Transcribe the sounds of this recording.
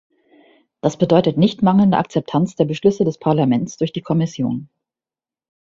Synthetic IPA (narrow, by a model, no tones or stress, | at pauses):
d̥asb̥ədɔʏtətnɪçtmaŋl̩ndəʔak̚t͡sɛp̚tʰant͡sd̥eːɐbəʃlʏsədɛspʰaɐlamɛntsd̥ʊɐçd̥iːkʰɔmɪsjo̰ːn